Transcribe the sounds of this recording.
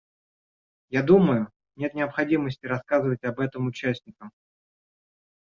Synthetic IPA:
jad̪uməjʊ | nʲe̞t̪nʲɪɐpxɐdʲiməsʲtʲɪɾɐskazɨvətʲɐbɛt̪əmʊt͡ɕːæsʲnʲɪkəm

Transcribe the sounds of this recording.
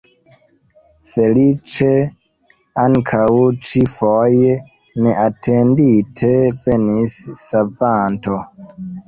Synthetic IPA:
felit͡ʃe | aŋkʰawut͡ʃifoje | neʔatʰenditʰevenissavanto

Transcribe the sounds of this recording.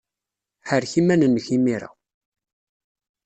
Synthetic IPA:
ħəɾçimænənːəçimiɾa̰

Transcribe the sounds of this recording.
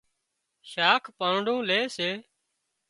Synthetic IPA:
ʃaːkʰpaːɳɖũːleːseː

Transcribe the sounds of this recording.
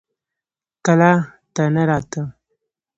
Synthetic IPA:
kalat̪anaɾɑːt̪ə

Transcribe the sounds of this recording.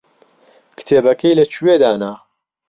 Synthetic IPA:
kɨ̥t̪ʰeːbɐkɐjlɐt͡ʃʰuwed̪aːnaː

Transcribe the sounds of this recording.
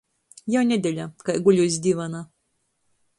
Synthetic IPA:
jawnʲɛd̪ʲɛlʲakajɡulʲus̬ʲd̪ʲivana

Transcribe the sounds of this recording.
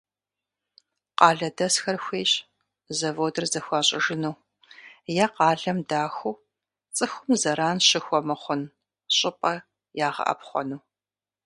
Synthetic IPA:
qɑːɮɐdɐsxɐrxʷeːɕʼ | zɐvoːdɐrzɐxʷɑːɕʼɪʒɪnuw | jɛqɑːɮɐmdaːxʷuː | t͡sʼɨxʷʊmzɐɾaːnʃɪxʷɔmɐχʷʊn | ɕʼɪpʼɐ | jaːʁɐ̰ʔɐ̰pχʷɔ̰nuː

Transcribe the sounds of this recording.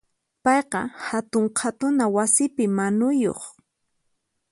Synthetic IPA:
pɑjqɑ̰hat̪ʊɴqʰat̪ʊnawasɪpɪmanʊjo̰χ

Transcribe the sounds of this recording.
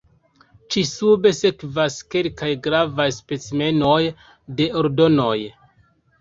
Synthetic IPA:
t͡ʃisube̞se̞kvaske̞lkajɡɾavajspet͡sme̞no̞j | de̞o̞ɾdo̞no̞j

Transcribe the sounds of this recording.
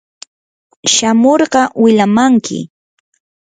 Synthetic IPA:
ʃamoɾɢɑwɪlamaŋkʰɪ̰

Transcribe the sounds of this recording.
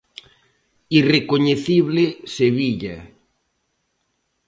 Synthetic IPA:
irekoɲeθiβleseβiʎa̰

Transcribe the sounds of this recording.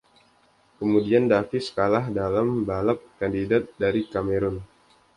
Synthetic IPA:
kəmudiandafɪsə̥kalahdalambalap̚kandidat̪̚daɾikameɾɔn

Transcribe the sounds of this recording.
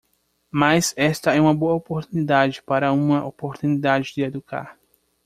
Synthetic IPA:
mazɛst̪ɐɛũmɐboɐopoɾt̪unid̪ad͡ʒɪpaɾɐũmɐʔopoɾt̪unid̪ad͡ʒɪd͡ʒ̪ɪed̪uka̰ɾ

